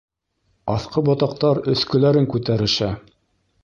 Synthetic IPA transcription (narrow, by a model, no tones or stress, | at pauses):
ɑθqɤbot̪ɑq̚t̪ɑɾɵ̆θkɵ̆læɾɘŋkʉt̪æɾɘ̆ʃæ